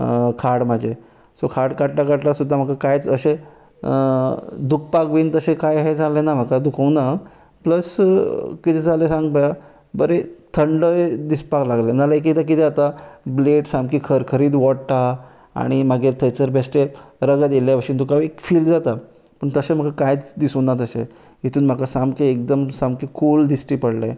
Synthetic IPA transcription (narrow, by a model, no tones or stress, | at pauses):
kʰaɽmad͡ʑʱe | sokʰaɽkaɽʈakaʈlasud̪ʱːam̤əkakajt͡səɕẽ | d̪uk̚pakʋiːnt̪əɕẽkajɦed͡zʱalenam̤akad̪ukʰəwna | pləskit̪ʰed͡zalesãŋɡ̚paja | bəɾet̪ʰəɳɖəjd̪ispaklaɡlenalaek̬it̪ak̬it̪ʰɛat̪ableʈsamkiːkʰəɾkʰəɾiːd̪ʋɔʈʈa | a̰ɽ̃imaɡet̪ʰəjt͡səɾbʱesʈeɾəɡad̪eljapəɕiːnd̪ukaʋekfiːld͡zat̪a | pəɳt̪əsẽm̤əkakajt͡sd̪isunat̪əsẽ | ɦet̪ʰuːnm̤akasamkeek̚d̪əmsãmkikʰuːld̪isʈiːpəɽle